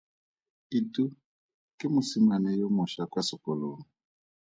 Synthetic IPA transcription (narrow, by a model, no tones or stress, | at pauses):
itu | kemusimanɛjɔmɔʃakwasɔkɔlo